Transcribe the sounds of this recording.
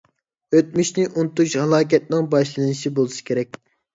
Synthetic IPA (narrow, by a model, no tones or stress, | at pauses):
øt̪̚myʃnɪʔunt̪uʃhɑlˠɑːk̬ʲɛt̪̚nɪŋbɑʃlˠɨnɨʃibolˠɨʃi̥kʲʰeɾɛk̚ʲ